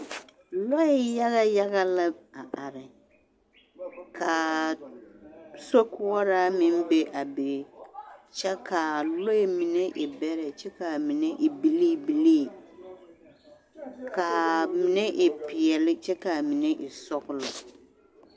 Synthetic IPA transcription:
lɔ˦ɛ˨ja˦ɣa˦ja˦ɣa˦la˦a˨ʔa˨ɾɪ˨ | kʰa˨ | so˦kʊ˦ɔ˦ɾa˦mɪ̃˦m˦be˦ʔa˨be˨˦t͡ʃɛ˦ka˨lɔ˦ɛ˨mi˨ne˦ʔɪ˨bɛ˦ɾɛ˨t͡ʃɛ˦ka˨mi˨ne˦ʔɪ˨bi˦li˦˨bi˨li˦˨ | kʰa˨mi˨nɛ˦ʔɪ˨pɪ˨ɛ˨lɪ˦t͡ʃɛ˦ka˨mi˨nɛ˦ʔɪ˨sɔ˦ɣʊ˦lɔ˨

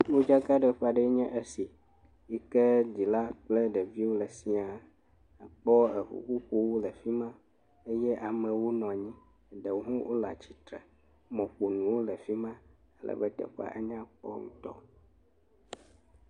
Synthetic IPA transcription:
wo˦d͡ʒa˦ka˦ɖɛ˨ɸa˨ɖɛ˦ɲɛ̃˦ʔe˦si˨ | i˦kɛ˦di˨la˦k͡plɛ˦ɖɛ˨vi˦wo˦lɛ˨si˦a˨ | k͡pɔ˦ə˨ɸṵ˨ɸu˦ɸu˦wo˦lɛ˨fi˦mã˦ | e˦jɛ˦ʔa˨mɛ̃˨wo˦nɔ̃˨ɲĩ˦ | ɖe˨wo˦ɦũ˦wʔo˦la̰˨t͡ɕi̥˨t̪ɾɛ̰˨ | mɔ̃˨k͡po˨nũ˨wo˦lɛ˨fi˦mã˦ | ə˦lɛ̰˨bɛ˦t̪ɛ̰˨ɸa̰˦ʔe˦ɲã˦k͡pɔ̰˦ŋũ˦t̪ɔ̰˦

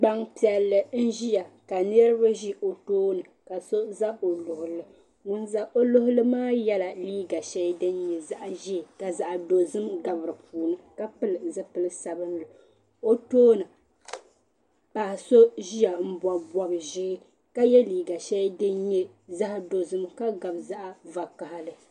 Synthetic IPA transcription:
ɡ͡ba˦ŋpi˦ɛ˨lːɨ˨n̩˦ʒi˦ja˨ka˨ni˦ɛ˦ɾɨ˦ba˦ʒi˦ʔo˨toː˦nɨ˨ka˨so˦za˦o˨lʊ˨hʊ˨lɨ˦ | ŋʊ˨nza˦ʔo˦lʊ˦hʊ˦lɨ˦maː˦jɛ˦la˨liː˦ɡa˨ʃɛ˦dɨ˦nɲɛ˨za˦ʔʒi˦˨ka˨za˨ʔdo˨zɨ˦mɡa˨bɨ˨ɾɨ˨pʰuː˨nɨ˦ka˦pɨ˦lɨ˨zɨ˦pɨ˨lɨ˦sa˨bɨ˦n̩˦lʊ˨ | o˦toː˦nɨ˨ | pa˨so˦ʒi˦ja˨m̩˦ba˨bɔ˨bʒɪ˦ | ka˦jɛ˦liː˨ɡa˨ʃɛ˦dɨ˦nɲɛ˦ | za˦hdo˨zɨ˦mka˦ɡa˨bza˦ʔa˦va˨ka˨ha˦lɨ˨

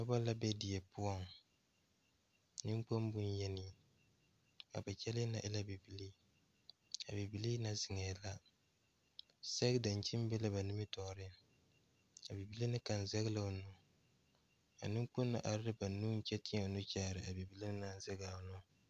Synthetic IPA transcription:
a˦bɔ˦la˦bɛ˦di˨jɛ˨pʊ˦ɔ˦ŋ | nɪ˦ŋk͡po˦m˦bʊ˦n˦jɛ˦nɪ˨ | ka̰˨ba˨t͡ʃɛ˦lɪ˦na̰˨ʔɪ˦la˦bi˨bi˨li˦ | a˨bi˨bi˨liː˦na˦zɪ˨ŋɛ˨la˦ | sɛ˦kda˨n˨t͡ʃɪ˦m˦bɛ˦la˦ba˨nu˦mɪ˦tɔ˨ɾɪ˦n˨ | a˨bi˨bi˦li˦nɨ˦ka˨n̩˨zɛ˦ɣla˨nu˦ | a̰˨nɪ˦ŋk͡pʊ˦nːɨ̰˦ʔa˨ɾɪ˦ɾɨ˦ba˨nu˦n̩˦t͡ʃɛ˦tɪ˦ɲɛ˨nu˦t͡ʃaː˦˨ɾɨ˨a˨bi˨bi˦li˦nɪ˦na˦˨n̩˦zɛ˦ɣla˨nʊ˦

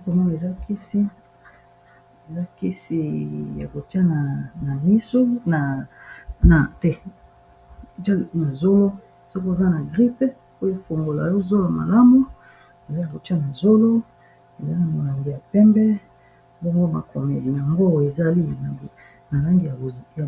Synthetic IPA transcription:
ko˨mɔ˦na˨e˨za˦ki˦si˦ | e˨za˦ki˦si˦ja̰˨ko˨ti˦a˦na˨na˨mi˦so˦na˨ | na˨tɛ˦˨ | a˦na˨zo˦lo˦ | so˦kza˦na˨ɡʁi˦pe˦ | o˦e˦fo˨ŋɡo˨la̰˨jo˦zo˦lo˨a˨ma̰˨la˦mu˦ | e˨za˦a˨ko˨ti˦a˦na˨zo˦lo˦ | e˨za˦na˨mo˨la˨ŋɡi˨ja˨pɛ˦mbɛ˦ | bo˦ŋɡo˦ma̰˨ko˨mḛ˨di˨a˨ŋɡo˦˨e˨za˦li˦na˨ | na˨la˦ŋɡi˨ja˨a˨

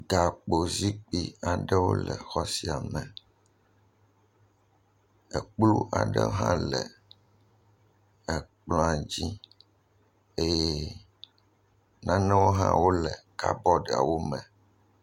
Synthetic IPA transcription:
ɡa˨k͡po˨zi˦k͡pi˦a˨ɖɛ˦wo̰˦lɛ̰˨xɔ˦si˨a˨mɛ̃˨ | ɛ˨k͡plu˦ʔa˨ɖɛ̰˦ɦã̰˦lɛ˨ | ɛ˨k͡plɔ̃˨˦a˨d͡ʑi˦ | e˦jɛ˦ | nã˦nɛ̃˦wo˦ɦã̰˦wo˦lɛ˨ka˦bɔ˦ɖa̰˨wo˦mɛ̃˨

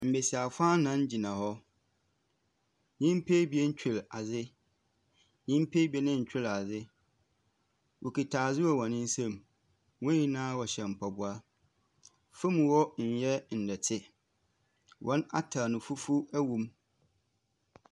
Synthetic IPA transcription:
m̩˨be˨si˨a˨fã˦nã˦n˦d͡ʑi˨nã˨hɔ˦ | nĩ˦m˦pʰe˦bi˨˦ɛ˦n̩˦t͡ɕᶣɪ˨la˨d͡zɪ˦ | nĩ˦m˦pʰe˦bi˨˦ɛ˦nɪ̃˦ɲ̩˨t͡ɕᶣɪ˦la˨zɪ˦ | wʔo˨ki˨tʰaː˨zɪ˦wɔ˦wɔ̃˨nɪ̃˦n̩˦sã˦˨m | wɔ̃˦ji˦nãː˦wɔ˨ɕɛ˨m̩˨pʰa˨bʊ˦a˦ | fʊ̃˦m̃˨wɔ˦n̩˨jɛ˦n̩˨dɛ˨tʰɪ˦ | wʔɔ̃˦na̰˦tʰa˨nʊ̃˨fu˦fu˦æ˦wũ˨m

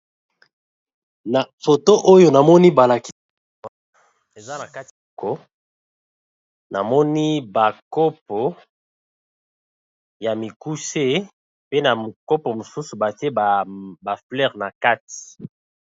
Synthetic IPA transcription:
na˨fo˨to˦ʔo˦jo˨na˨mɔ˦ni˦ba˨la˨ki̥˦˨ | e˨za˦na˨ka˦tko˦ | na˨mɔ˦ni˦ba˨ko˦p̚o˨ | ja˨mi˨ku˦se˦ | pe˦na˨m˨kɔ˦po˨mo˨su˦su˨ba˨ti˦e˦˨ba˨flɛ˦˨ʁna˨ka˦ti̥˨

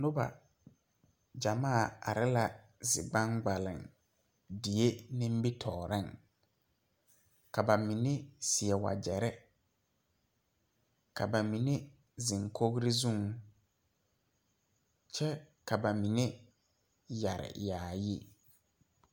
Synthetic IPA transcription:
nʊ˦ba̰˨ | d͡ʒa˨maː˦˨a̰˨ɾɪ˦la˨ | zɪ̰˨ɡ͡bã˦ŋɡ͡ba˨lɪ̰˨ŋ | di˨e˦nɪ̃˦m˦bi˦tʰɔː˨ɾɪ˦˨ŋ | ka˨ba˨mi˨ne˦si˨ɛ˨wa̰˨d͡ʒɛ˨ɾɛ˦ | ka˨ba˨mi˨ne˦ | zɪ˨ŋkʰo˦ɣɾi˦zũ˦ŋ | t͡ʃɛ˦ka˨ba˨mi˨ne˦ | ja˨ɾɪ̰˨jaː˨ji˦

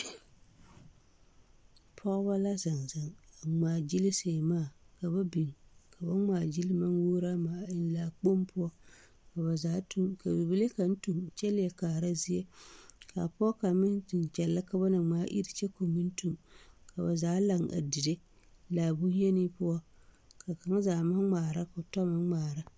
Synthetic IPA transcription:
pʰɔ˦ʔba˦la˦za˨nza˨ŋ˨ŋ͡maː˨d͡ʒi˦li˦se˨maː˦˨ka˨ba˦bi˨ŋ˨ka˨ba˦ŋ͡maː˨d͡ʒi˦li˦ma˦nwuː˦ɾa˦maː˨ɪ˦n˦laː˨k͡po˦mpʊ˦ɔ˦ | ka˨ba˨zaː˨˦tu˦ka˨bi˨bɪ˦le˦ka˨n̩˦tu˨mt͡ʃɛ˦lɪ˦jɛ˨kaː˨ɾa˦zi˦je˦ka̰˨pʊ˦ɔ˦ka˨mɪ˦ntɨ˨n˨t͡ʃɛ˨lːa˦ka˦ba˦na˨ŋ͡maː˨˦ʔḭ˦ɾi˦t͡ʃɛ˦ko˨mɨ˦n˦tu˨mka˨ba˨zaː˦la˨ŋʔa̰˨di˨de˦ | laː˨bu˦jɛ˦ni˦pʊ˦ɔ˦ | ka˨ka˨ŋ˦zaː˨ma˦ŋ͡maː˨ɾa˦ko˨tɔ˦ma˦ŋ͡maː˨ɾa˦

